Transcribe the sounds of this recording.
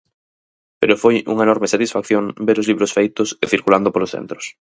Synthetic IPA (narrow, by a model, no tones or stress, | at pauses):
peɾofojṵŋaenɔɾmesat̪isfakθjoŋbeɾozliβɾosfejt̪ʊseθiɾkuland̪opolosθḛnt̪ɾo̥s